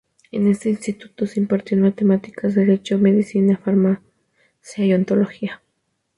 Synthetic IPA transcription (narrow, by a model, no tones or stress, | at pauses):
enest̪einst̪it̪u̥t̪osimpaɾt̪ionmat̪emat̪i̥kazd̪eɾet͡ʃomeðisinafaɾma | sjaiont̪oloxia